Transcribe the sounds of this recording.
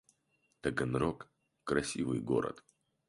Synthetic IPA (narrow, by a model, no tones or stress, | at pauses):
t̪ɐɡənɾokː | ɾɐsʲivɨjɡo̰ɾə̰t̪